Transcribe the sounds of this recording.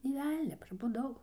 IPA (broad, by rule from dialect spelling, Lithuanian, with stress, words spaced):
nʲeː ˈʋʲɛlʲnʲɛ prɐbʊˈdɐʊ